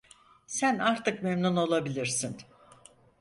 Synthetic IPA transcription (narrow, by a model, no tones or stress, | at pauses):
sænaɾt̪ʰɯkmemnuno̞lˠabilʲiɾsin